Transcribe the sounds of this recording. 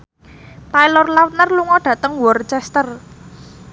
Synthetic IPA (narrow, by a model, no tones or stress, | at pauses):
t̪ajlɔrlawt̪̚nərluŋɔɖ̥ä̤t̪əŋwɔrt͡ʃɛst̪ər